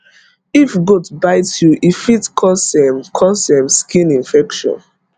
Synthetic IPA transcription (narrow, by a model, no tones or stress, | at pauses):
ifɡudbaɪtjuʔifitkʰɔsɛmkʰɔsɛ̃mskĩnĩnfɛkʃɔ̰̃n